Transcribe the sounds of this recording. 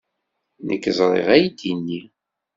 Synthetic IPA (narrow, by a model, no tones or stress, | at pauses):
nə̰kːəzˤɾˤḛʁæjd̪inːi